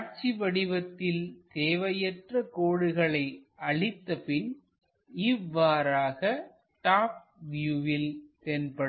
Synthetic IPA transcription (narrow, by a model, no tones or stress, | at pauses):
ɾt͡ʃiʋɐɽɪʋɐt̪ːɪlt̪eːʋɐjɐʈrɐkoːɽɯɣɐɭɐɪʔɐɭɪt̪ːɐpɪn | ɪʋːaːɾaːɣɐ | ʈaːp̚ | ʋjuʋɪlt̪eːnpɐɽ